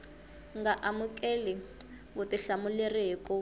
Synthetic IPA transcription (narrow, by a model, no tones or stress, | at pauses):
ŋɡaʔamukʼɛlɛ | βʊtiɬamulerekʼɔ